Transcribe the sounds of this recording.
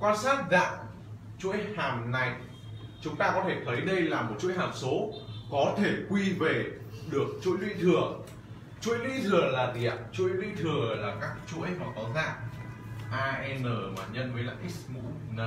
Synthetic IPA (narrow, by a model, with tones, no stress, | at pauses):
kwaː˧nsaː˦˥t̚za̰ː˧˨ʔ | t͡ɕṵ˧˥əjhaː˨˩mna˨˩j | t͡ɕʊ˨˦ŋ͡mt̪aː˧kɔ˨˦t̪ʰe˧˩t̪ʰə˨˦jɗə˧jlaː˨˩mo˨˩t̚t͡ɕu˧˥jɦaː˨˩mso˨˦kɔ˨˦t̪ʰe˧˩kwi˧ve˨˩ | ɗɨ˨˩ək̚t͡ɕṵ˧˥əjlwḭ˧˥t̪ʰɨ˨˩ə | t͡ɕṵ˧˥əjlwi˧t̪ʰɨ˨˩əlaː˨˩ɗḭ˧˩˨ət͡ɕṵ˧˥əjlwḭ˧t̪ʰɨ˨˩əlaː˨˩kaː˦˥kt͡ɕṵ˧˥əjmaː˨˩t̪ɔ˨˦za̰ː˧˨ŋ | ʔaː˧ʔɛ˧nəː˨˩maː˨˩ɲə˧nməː˨˦laː˨˩ʔi˦˥smṵ˧˥ | na˧